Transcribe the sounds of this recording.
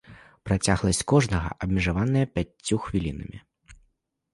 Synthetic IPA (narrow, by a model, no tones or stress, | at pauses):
pɾat͡sʲaɣlˠɐsʲt͡sʲkɔʐnɐɣɐ̰ʔɐbmʲiʐavanɨjɐpʲat͡st͡sʲːuxvʲilʲinɐ̰mʲi